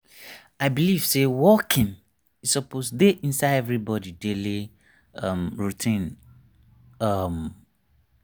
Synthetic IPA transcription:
aɪbiliv̥sewɔkʰĩn | isɔposdeʔĩnsaɪɛvɹibɔdideli | ʌ̃mɹutʰĩn | ʌm

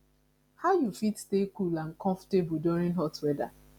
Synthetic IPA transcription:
haʊjufitstekulãnkʰɔ̃ɱfɔ̥tebuduɹĩnɦɔtwɛda̰

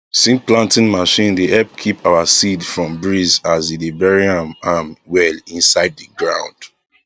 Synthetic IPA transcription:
sĩnplãntĩnmaʃĩndeʔɛlp̚kʰipʰawasidfɹɔ̃mbɹizazidebɛɹiãmamwɛlĩnsaɪd̚ðəɡɹã̰ʊ̃nd̥

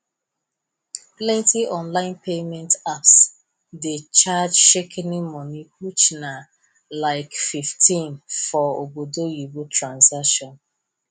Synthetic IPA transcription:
plɛ̃ntiɔ̃nlaɪ̃npemɛ̃ntaps | det͡ʃad͡ʒʃekʰɛnĩmɔniwut͡ʃna | laɪkfiftʰĩnfɔobodojibutɹãnsakʃɔ̃n

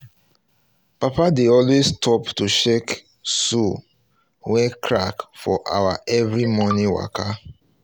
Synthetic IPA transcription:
papadeɔlwestʰɔptuʃɛk | su | wɛkʰɹakfɔʔa̰waʔɛvɹimɔniwa̰kʰa

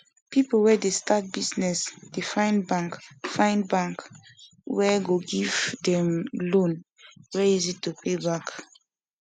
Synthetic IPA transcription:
pipəl̩wɛdestʰat̚bisnɛsd̥efãj̃nbãŋkfãɪ̃nbãŋk | wɛɡoɡivdɛ̃mlõn | wɛizitupʰebak

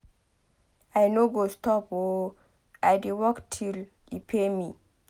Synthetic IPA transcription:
ajnoɡostɔpo | ajdewɔktʰil | ipʰemi

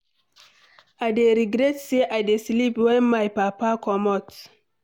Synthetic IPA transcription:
adeɾiɡɾɛtseʔadesilipwɛnmajpapakɔmɔt

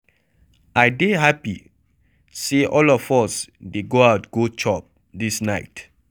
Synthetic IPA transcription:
ʔaɪdeɦapi | seʔɔlɔfɔsdeɡoawtɡ̥ot͡ʃɔp̚ | disnaɪt

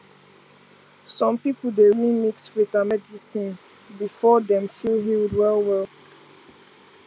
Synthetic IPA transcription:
sɔ̃mpipl̩ˠdeimiksɹitamɛdisĩn | bifɔdɛ̃mfilˠɦildwɛlˠwɛlˠ

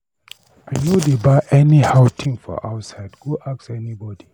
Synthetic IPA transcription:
anodebaɪʔɛnihaʊtʰĩŋfɔ̰ʔawtsaɪdɡoʔaksɛnibɔdi

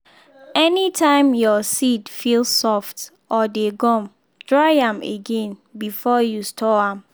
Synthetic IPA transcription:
ɛnitʰãɪ̃mjɔsidfilsɔft | ʔɔdeɡɔ̃m | d̥ɹaɪãmḛɡẽnbifɔjustʰɔãm

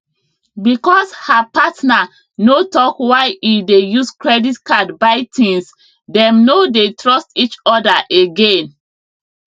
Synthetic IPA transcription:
bikɔshapatna | notɔkwaɪidejuskɹɛditkadbaɪtʰĩns | dɛ̃mnodetɹɔstit͡ʃɔdaʔeɡẽn

